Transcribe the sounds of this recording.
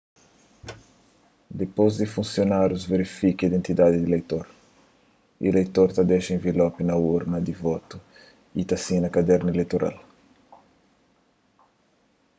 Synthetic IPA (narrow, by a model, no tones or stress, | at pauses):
d̪epozd̪ifũnsjonaɾjuzveɾifikiid̪ẽnt̪id̪ad̪id̪ilejt̪oɾ | ilejt̪oɾt̪ɐd̪eʃɐẽvilɔpinɐuɾnɐd̪ivɔt̪u | it̪asĩnɐkad̪ɛɾnɐelejt̪oɾʔa̰l